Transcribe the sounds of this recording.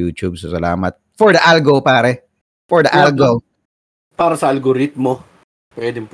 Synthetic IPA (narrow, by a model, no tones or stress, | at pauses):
uːt̪ub̚sɐsɐla̰ːmɐt̪̚fɔɹd̪ɐʔalɡopaːɾɛ | fɔɹd̪ɐʔalɡo | paːɾɐsɐʔɐlɡoɾɪt̪̚mo | pwɛd̪ɪŋp